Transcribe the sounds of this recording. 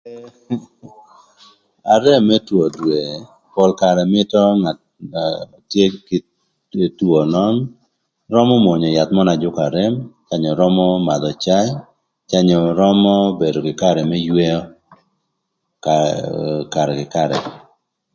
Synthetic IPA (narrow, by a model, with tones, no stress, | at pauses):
a˨ɾɛ˦mːɛ˦two˨dwe˨ | pɔ˨lka˨ɾɛ˨mɪ˦tɔ˦ŋa˨ | tje˦kɪ˨ | two˨nɔ˦n | rɔ˦mɔ˦mwɔ˨ɲɔ˨ja˨t̪mɔ˦na˨d͡ʒʊ˦ka˨ɾɛ˦mt͡ʃa˦ɲɔ˨ɾɔ˦mɔ˦ma˨d̪ɔ˨t͡ʃa˦j | t͡ʃa˦ɲɔ˨ɾɔ˦mɔ˦be˨do˨kɪ˨ka˦ɾɛ˨mɛ˦jwe˦ɔ˦ | ka | ka˨ɾɛ˨kɪ˨ka˦ɾɛ̰˨